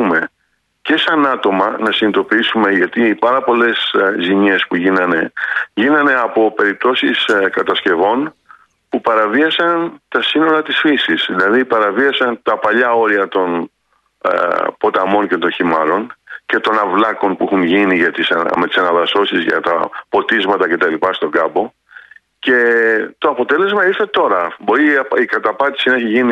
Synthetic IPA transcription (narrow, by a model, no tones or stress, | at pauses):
ume̞ | ce̞sɐnɐt̪o̞mɐnɐsinit̪o̞piisume̞ʝɐt̪ipɐɾɐpo̞le̞sziɲe̞spuʝinɐne̞ʝinɐne̞ɐpo̞pe̞ɾip̚t̪o̞siskɐt̪ɐsce̞vo̞n | pupɐɾɐviɐsɐnt̪ɐsino̞ɾɐt̪isfisisðilɐðipɐɾɐviɐsɐnt̪ɐpɐʎɐo̞ɾiɐt̪o̞n̰ | po̞t̪ɐmo̞nce̞t̪o̞nçimɐɾo̞nce̞t̪o̞nɐvlɐko̞npuixunʝiniʝɐt̪isɐ̰me̞t̪i̥sɐnɐðɐso̞sizʝɐ̰t̪ɐ̰po̞t̪izmɐt̪ɐce̞t̪ɐlipɐst̪o̞ɡɐbo̞ | ce̞t̪o̞ɐpo̞t̪e̞le̞zmɐiɾθe̞t̪o̞ɾɐbo̞ɾiikɐt̪ɐpɐt̪i̥sinɐeçiʝini